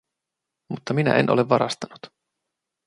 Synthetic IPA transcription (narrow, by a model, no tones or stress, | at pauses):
mut̪ːɑminæ̰ʔḛnʔo̞leʋːɑɾɑst̪ɑnut̪